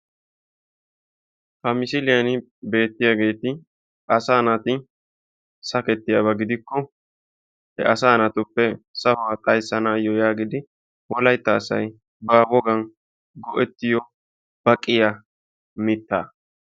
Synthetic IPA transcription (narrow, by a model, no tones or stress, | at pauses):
hɐmɪsɪlɪjɐnɪ | be̞ːt̪ːɪjaɡe̞ːt̪ɪ | ɐsaːnɐt̪ɪ | sɐkɛt̪ːɪjabɐɡɪd̪ɪkːɔ | hɛ̰ʔɐsaːnɐt̪ʊpːɛsɐhʊwaːt̪ʼɐjsːɐnaːjɔjaːɡɪd̪ɪ | wɔlɐjt̪ːɐːsɐ̰j | baːbɔɡɐn | ɡɔʔɛt̪ːɪjɔ | b̥ɐkʼːɪja | mɪt̪ːaː